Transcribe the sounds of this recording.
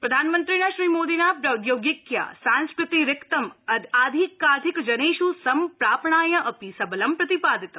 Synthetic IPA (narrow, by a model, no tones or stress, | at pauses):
pɾɐd̪ʱaːnmənt̪ɾinaʃɾiːmoːd̪inapɾɐʊd̪joːɡɪkja̰sãnskɾɪt̪iɾɪkt̪ɐmɐd̪aːd̪ʱikːaːd̪ʱikd͡ʒɐneːʃusɐmpɾaːpɳaːjɐʔɐpisɐbəlɐmpɾɐt̪ipaːd̪it̪